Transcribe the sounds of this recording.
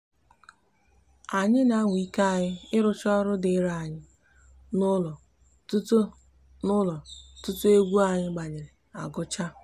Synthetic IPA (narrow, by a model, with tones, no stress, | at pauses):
a˨ɲɪ˦na˨˦ŋʷi˦ka˦˨ɲɪ˦ɪ˦ɾʊ˦t͡ʃɔ˦ɾʊ˦dɪ˦ɾa˦˨ɲɪ˦ | n˦lɔ˨˦ | nʊ˦lɔ˨tʊ˦tʊ˦e˦ɡʷu˦a˨ɲɪ˦ɡ͡ba˨ɲɪ˨ɾɪ˨a˨ɡʊ˦t͡ʃa˦